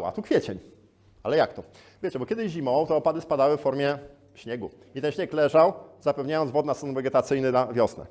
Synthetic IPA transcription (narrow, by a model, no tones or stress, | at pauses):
a̰t̪ukfʲjɛt͡ɕɛɲ | alɛjakt̪ɔ | vʲjet͡ɕɛbɔkʲɛd̪ɘʑʑimɔwt̪ɔːpad̪ɘspad̪awɘffɔɾmʲjɛ | fɕɲɛɡu | it̪ɛnɕɲɛklɛʐawzapɛvɲajɔnzvɔd̪nast̪ɔnvɛɡʲɛt̪at̪sɘjnɘnavʲjɔsnɛ̰